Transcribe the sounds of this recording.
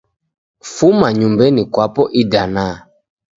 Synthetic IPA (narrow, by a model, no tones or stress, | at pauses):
fumaɲumbɛnikwapɔʔidanaː